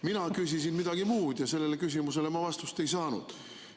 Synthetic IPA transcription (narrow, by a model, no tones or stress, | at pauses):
minɑkys̬is̬inmid̪̥ɑɡ̥imuːd̪̥jɑse̞lːe̞lekys̬ʲimuse̞le̞mɑvɑst̪ust̪e̞jsɑːnṵd̪̥